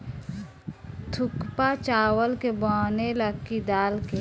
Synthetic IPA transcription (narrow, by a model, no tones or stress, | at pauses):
t̪ʰʊkpat͡ʃaːwəlkebɔːneləkːid̪aːlke